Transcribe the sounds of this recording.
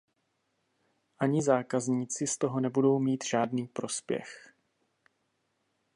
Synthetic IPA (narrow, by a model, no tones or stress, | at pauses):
ʔaɲɪzaːkazɲiːt͡sɪst̪o̞ɦonɛbudo̞wmiːt̪ʒ̥aːdniːpɾo̞spjɛ̰x